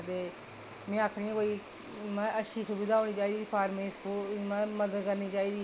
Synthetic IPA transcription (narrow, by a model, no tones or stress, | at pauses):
d̪eː | mɛ̃ːaːkʰɽiːɛ̃ːkoːiː | mɛ̃ːʔəʃiːsʊbid̪aːɦoːniːt͡ʃaːiːd̪iːpʰaːɾmẽːskoːmɛ̃ːməd̪əd̪kəɾniːt͡ʃaːiːd̪iː